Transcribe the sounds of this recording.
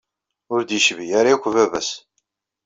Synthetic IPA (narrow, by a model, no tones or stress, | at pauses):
ʊɾd̪jəʃvijaɾakʷːvævæs